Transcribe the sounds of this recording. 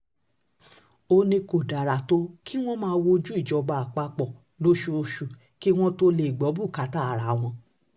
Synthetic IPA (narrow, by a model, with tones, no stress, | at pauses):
o˧nĩ˧ko˨da˨ɾa˨to˦ki˦w̃ɔ̃˦mãː˧˦˧wo˧d͡ʒu˦i˦˨d͡ʒɔ˨˧ɡ͡ba˧a˨k͡pa˧k͡pɔ˨ | lo˨˦ʃu˧o˧ʃu˨ | ki˦w̃ɔ̃˦to˦le˧˨i˨ɡ͡bɔ˨˦bu˦˨ka˨˦ta˦˨ɾa˨˦w̃ɔ̃˧